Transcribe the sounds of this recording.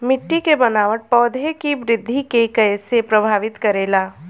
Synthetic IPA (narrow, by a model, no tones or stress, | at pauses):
mɪʈːikebənaːʋəʈ̚pɔːd̪ʱekibɾɪd̪ʱːikekəjsepɾɐbʱaːʋɪt̪kɐɾeːlaː